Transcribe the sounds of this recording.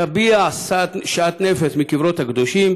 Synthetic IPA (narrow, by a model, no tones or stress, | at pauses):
abiasaʃaat̪nefesmikivɾo̞t̪hakd̪o̞ʃim